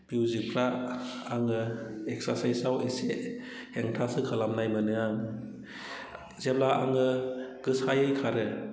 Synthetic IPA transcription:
bjuzikʰɾaaŋɯek̚saɾsajsawese | heŋtʰasɯkʰalamnajmɯnɯaŋ | zeblaa̰ŋɯɡ̥ɯsajɯjkʰaɾɯ

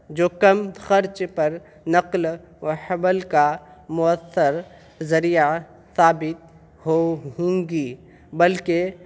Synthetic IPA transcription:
d͡ʒoːkɐmxɐɾt͡ʃpɐɾ | nɐql | əhɐbəlkamʊəθːəɾ | zɐɾija | saːbɪt̪̚ | ɦoɦõːŋɡiː | bɐlke

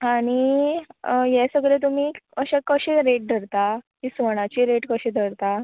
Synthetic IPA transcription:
aɽ̃i | jɛsəɡlet̪um̤iːəɕakəɕeɾeʈ̚d̪ʱəɾt̪akisʋəɽ̃at͡ɕiːɾeʈkəɕẽd̪ʱəɾt̪a

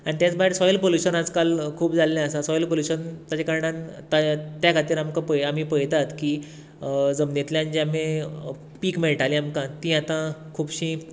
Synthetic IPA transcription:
aɽ̃it̪jat͡sbaɦeɾsɔjəlpoluɕənad͡zkalkʰuːpd͡zalːjãəsasɔjəlpoljuɕənt̪at͡ɕakaɾɽant̪at̪jakʰat̪iːɾamkãpəjam̤iːpəjt̪at̪ki | d͡zəmnet̪ljãnd͡ʑamẽ | piːkmeɭʈalĩamkãt̪ĩːat̪ãkʰuːbɕĩː

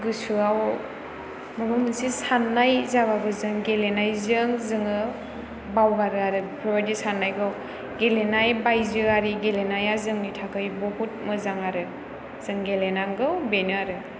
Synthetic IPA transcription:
ɡɯsuaw | mɯbɯmɯnsisanːajzaβabɯzɯŋɡelenajzɯŋzɯŋɯ | bawɡaɾɯaɾɯpʰɾɔbadisanːajɡɯw | ɡelenajbajzɯaɾiɡelenajazɯŋnitʰakʰɯjbɔbut̚mɯzaŋaɾɯ | z̥ɯŋɡelenaŋɡɯwbenɯaɾɯ

